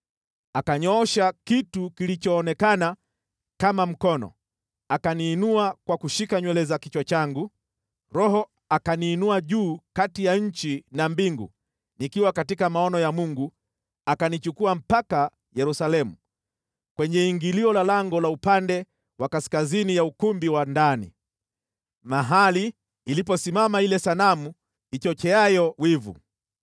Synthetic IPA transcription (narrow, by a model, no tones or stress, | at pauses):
akaɲɔɔʃakitukilit͡ʃɔːnɛkana | kamam̩kɔnɔ̰ | akaniːnuakwakuʃikaɲwɛlɛzakit͡ʃwat͡ʃaŋɡu | ɾɔɦɔ | akaniːnuaʄuːkatijaɲ̩t͡ʃinambiŋɡṵ | nikiwakatikamaɔnɔjamuŋɡu | akanit͡ʃukuam̩paka | jɛɾusalɛmu | kwɛɲɛiŋɡiliɔlalaŋɡɔlaupandɛ | wakaskazinijaukumbiwandanḭ | maɦaliː | lipɔsimamailɛsanamu | it͡ʃɔt͡ʃɛajɔwivṵ